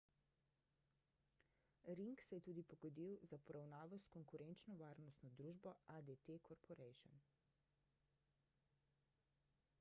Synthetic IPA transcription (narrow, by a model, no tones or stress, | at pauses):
ɾiŋksɛjɛt̪uːd̪ipɔɡɔd̪iwzapɔɾawnaːʋɔskɔŋkuɾɛnt͡ʃnɔʋaːɾnɔst̪nɔd̪ɾuːʒbɔad̪et̪ekʰɔɾpɔɾɛjʃɔ̰n